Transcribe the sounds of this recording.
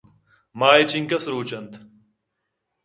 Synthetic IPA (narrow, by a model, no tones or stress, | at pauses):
maːit͡ɕiŋkɐsɾuːt͡ɕɐnt̪